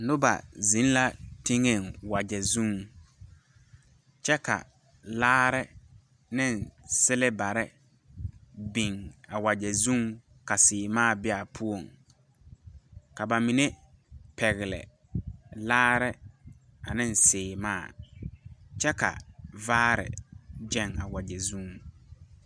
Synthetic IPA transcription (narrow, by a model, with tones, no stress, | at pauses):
nʊ˦ba̰˨zĩ˨˦n˦la˦te˦ŋe˦˨ŋwa˨d͡ʒɛ˨zũ˦ŋ | t͡ʃɛ˦ka̰˨ | laː˦ɾɪ˦ | nɪ˦nsɪ˦lɪ˦ba˨ɾɪ˦ | bi˨ŋa˨wa˨d͡ʒɛ˨zũ˦ŋ | ka˨sɪː˨maː˦˨bɪ˦a˨pʰu˦o˨ŋ | ka˨ba˨mĩ˨ne˦ | pɛ˨ɣɪ˨lɪ̰˨ | laː˦ɾɪ˦ | a˨nɪ˦nsɪː˨maː˦˨ | t͡ʃɛ˦ka̰˨vaː˦ɾɪ̰˨d͡ʒɛ˦ŋa˨wa˨d͡ʒɛ˨zũ˦ŋ˦˨